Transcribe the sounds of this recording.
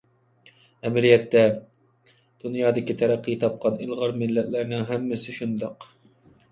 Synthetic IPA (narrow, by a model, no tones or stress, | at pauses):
ɛmɪɾijɛt̪ːɛ | d̪̥unjɑːd̪ɪkʲit̪ʰɛɾæqːit̪ʰɑp̚qʰɑnilˠʁɑɾmɪlːɛt̪læɾnɪŋɦɛmːɪsɪʃund̪ɑq